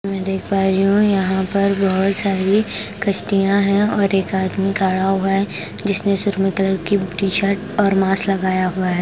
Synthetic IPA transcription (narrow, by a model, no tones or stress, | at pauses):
mɛ̃d̪eːkʰpaːɾiɦũjɐɦãpɐɾbɐɦʊt̪saːɾikɐʃʈijãɦɛ̃ɔːɾeːkaːd̪mikaːɭaːoʊaɛ | d͡ʒɪsnesʊɾmət̪ələɾkiʈiːʃəɾʈɔːɾmaːslɐɡaːjaɦuaɦɛː